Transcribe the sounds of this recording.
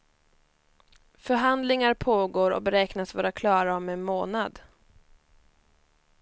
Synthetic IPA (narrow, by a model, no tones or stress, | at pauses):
fœɾɦand̪lɪŋaɾpʰoːɡoːɾɔ̰kbɛɾɛːknasvɑːɾakʰlɑːɾaɔmɛnmoːnad̪